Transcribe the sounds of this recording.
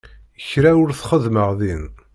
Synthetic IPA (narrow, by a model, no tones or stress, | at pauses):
əçɾæʊɾθχəðməʁðin